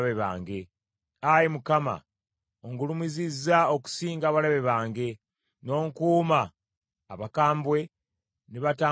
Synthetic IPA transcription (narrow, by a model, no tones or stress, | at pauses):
βeβa̰ːŋɡe̞ | ajemukama̰ | oŋɡulumizizːao̞ku̥siːŋɡaːβalaβe̞βaːŋɡe̞ | no̞ːŋkuːmaː | βakaːmbwe̞ | neβataː